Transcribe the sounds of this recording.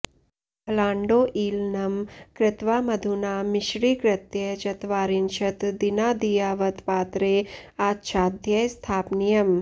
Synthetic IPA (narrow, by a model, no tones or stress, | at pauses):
pɐlaːɳɖoːʔiːlnɐmkɾɪt̪ʋaːmɐd̪ʱunaːmɪʃɾiːkɾɪt̪jɐt͡ʃɐt̪ʋaːɾinʃɐt̪d̪inaːd̪ijaːʋɐt̪paːt̪ɾeːaːtːʃʰaːd̪ʱjɐjst̪ʰaːpnijɐm